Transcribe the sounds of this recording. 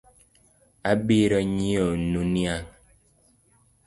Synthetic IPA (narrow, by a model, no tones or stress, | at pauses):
abiɾɔɲionunjaŋ